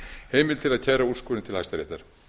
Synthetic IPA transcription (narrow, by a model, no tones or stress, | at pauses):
heːjmɪlt̪ʰɪlaðcʰaːjɾauskɔːlɪnt̪ɪlajst̪aɾɛ̰ht̪aɾ̥